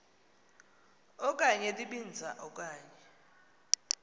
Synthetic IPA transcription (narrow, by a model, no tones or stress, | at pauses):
ɔk̬ʼaɲɛtʼiɓind͡zʱaʔɔk̬ʼaːɲɛ